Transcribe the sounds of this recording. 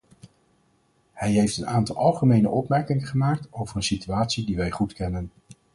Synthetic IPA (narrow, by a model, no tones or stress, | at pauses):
hɛjɦejftənaːntɑlˠɑlˠχəmejnə̰ʔɔpmɛɹkɪŋəχəmaːk̚towvərənsityaːtsidiʋɛjχutkɛnən